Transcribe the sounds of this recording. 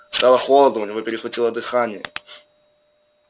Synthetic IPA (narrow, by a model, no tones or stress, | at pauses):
st̪alˠəxolˠəd̪ʊʊnʲɪvo̞pʲɪɾʲɪxvɐtʲilˠəd̪ɨxanʲɪjə̰